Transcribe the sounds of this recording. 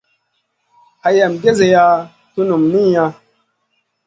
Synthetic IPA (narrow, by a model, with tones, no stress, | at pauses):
a˨ja˨mɡe˦ze˨ja˧ | tu˦nu˨mni˦˨ja˧